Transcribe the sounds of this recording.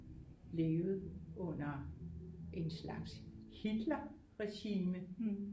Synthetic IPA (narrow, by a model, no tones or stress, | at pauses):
le̝ːʊð̞̩ˠʔɔ̽n̰ɐ | ʔe̝nslɑ̈ɡ̥shid̥lɐ | ʁɛɕiːmə